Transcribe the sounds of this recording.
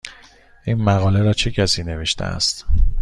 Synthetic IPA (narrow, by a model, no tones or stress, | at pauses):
ʔiːnmæɣɒːle̞ɾɒːt͡ʃʰe̞cʰæsiːne̞ve̞ʃt̪ʰḛæ̰st̪